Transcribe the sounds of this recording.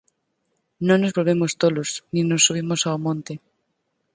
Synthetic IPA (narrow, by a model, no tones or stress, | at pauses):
nõŋnozβolβemost̪olosnĩnosːuβ̞imosaomõnt̪e